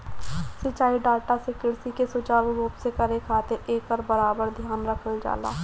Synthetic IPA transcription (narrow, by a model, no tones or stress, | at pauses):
sət͡ʃːaːiɖaːʈasɪkɪɾsikesot͡ʃaːluɾuːpsekəɾekʰaːt̪ɪɾeːkɔɾbəɾaːbəɾd̪ʱjaːnɾəkʰəld͡ʒa̰ːla̰ː